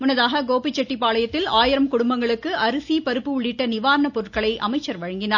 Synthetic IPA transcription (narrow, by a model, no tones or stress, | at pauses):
mʊnːɐðaːɣɐɡoːpit͡ʃːɐʈːipaːɭɐjɐt̪ːɪlaːjɪɾɐmkʊɽʊmbɐŋɡɐɭɯkːɯʔɐɾɯsipɐɾɯpːɯʊɭːɪʈːɐnɪʋaːɾɐnɐpɔɾɯʈkɐɭɐɪʔɐmɐɪt͡ʃːɐɾʋɐɻɐŋɡɪnaːɾ